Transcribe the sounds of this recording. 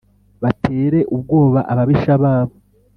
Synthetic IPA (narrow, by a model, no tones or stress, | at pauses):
βatʰe̞ːɾe̞ʔub̚ɡo̞ːβaʔaβaβiʃaβaːβo